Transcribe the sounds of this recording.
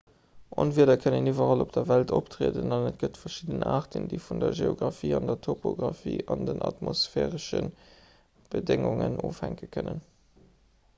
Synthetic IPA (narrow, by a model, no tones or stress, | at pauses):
ʔɑnviːədɐkʰənənivɐʁɑlop̚d̥ɐvæltoptʁeːdənɑnət̚ɡ̥ətfɐʃidənaːʁtəndiɪfundɐʒeːoɡʁɑfiːɑndɐtʰopoɡʁɑfḭːɑndənʔɑtmosfɛːʁəʃən | b̥ədeŋʊŋənoːfhæŋkəkʰənən